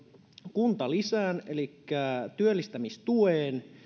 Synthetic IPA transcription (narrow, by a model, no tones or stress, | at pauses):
kunt̪ɑlisæːne̞likːæt̪yølːist̪æmist̪ueːn